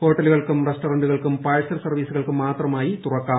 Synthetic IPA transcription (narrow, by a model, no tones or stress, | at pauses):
ho̞ːʈːɐluɣɐɭkumresʈoɾɐɳɖuɣɐɭkumpaːɻsɐlsɐrʋiːsuɣɐɭkɨmaːt̪rɐmaːjit̪urɐkːaː